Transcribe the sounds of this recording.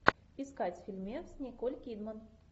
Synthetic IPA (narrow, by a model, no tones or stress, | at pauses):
pʲɪskat͡sʲfʲilʲmʲesʲnʲikolʲkʲid̪mən